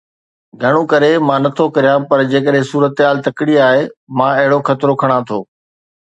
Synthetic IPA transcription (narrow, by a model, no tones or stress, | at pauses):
ɡʱɐɽ̃ũkɐɾemãːnɐt̪ʰokɐɾijãpɐɾd͡ʑeːkəɗɦẽsuːɾət̪ɦaːlt̪ɐkɪɽiaːɦemãːɐɦɪɽoxɐt̪ɪɾokʰɐɽ̃ãt̪ʰoː